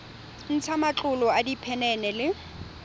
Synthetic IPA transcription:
n̩t͡sʰamat͡ɬʼʊlɔadipʰɛnɛnɛlɪ

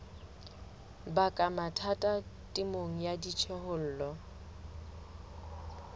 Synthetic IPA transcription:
bakʼamatʰatʼatʼɪmoŋ̩jadit͡ʃʰɛhʊl̩ːlɔ

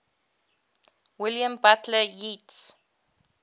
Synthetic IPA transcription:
wɪljə̃mbatʰləjits

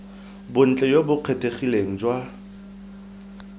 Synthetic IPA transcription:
bʊn̩t͡ɬʼɛjobʊq͡χʰetʰʼeχileŋ̩d͡ʒwa

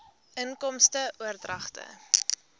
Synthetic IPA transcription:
ʔəŋkɔmstəʔuərdrɐχtə̰

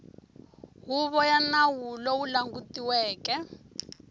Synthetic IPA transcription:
ɦuβɔjanawulɔwulaŋɡutiwɛːkɛ

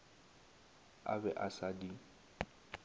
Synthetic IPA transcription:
a̰bɛʔasadi

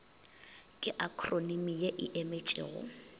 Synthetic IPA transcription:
kʼɪʔakʰronimijeʔɪʔemet͡ʃʼɪ̰ːɣʊ̰

